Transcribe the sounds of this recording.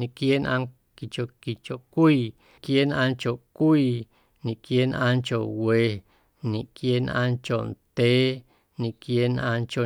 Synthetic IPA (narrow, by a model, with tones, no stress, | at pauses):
nĩ˧˨kje˦nʔã˧ | ki˨t͡ʃo˨ki˨t͡ʃo˨ʔkʷiː˦˨ | kje˦nʔã˧nt͡ʃo˨ʔkʷiː˦˧˨ | nĩ˨kje˦nʔã̰˧nt͡ʃo˨ʔwe˧ | nĩ˨kje˦nʔã˧nt͡ʃo˨nt̪e˨˦ | nĩ˨kje˦nʔã̰˧nt͡ʃo˨